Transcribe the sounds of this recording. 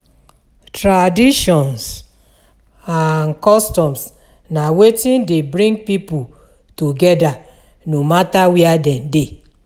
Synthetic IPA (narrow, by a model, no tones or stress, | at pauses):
tɹadiʃɔ̃ns | ankɔstɔ̃ms | nawetĩndebɾĩŋɡ̚pipu | tuɡɛda | nomatawiadɛ̃nde